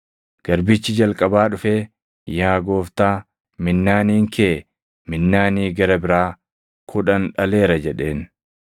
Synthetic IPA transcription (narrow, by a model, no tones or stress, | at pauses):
ɡ̥ɐɾbɪt͡ʃːɪd͡ʒɐlkʼɐbaːᶑʊfeː | jaːɡo̞ːft̪aː | mɪnːaːniːŋkʰeː | mɪnːaːniːɡɐɾɐbɪɾaː | kʰʊᶑɐnᶑɐle̞ːɾɐd͡ʒɛᶑe̞ːn